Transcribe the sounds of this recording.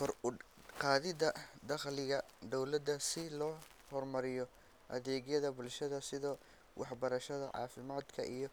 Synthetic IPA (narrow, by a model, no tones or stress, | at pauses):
kʰɔrqɑːðɪd̪ɐd̪ɑqlɪɣɐd̪ɔwlɐd̪ːɐsɪlɔː | hɔrmɐɾɪjɔ | ʔɐðɛːɣjɐðɐbʊlʃɐðɐsɪðɔː | wʔɑħbɐɾɐʃɐðɐ̰ʕɑ̰ːfɪmaːd̪kʰɐʔijɞ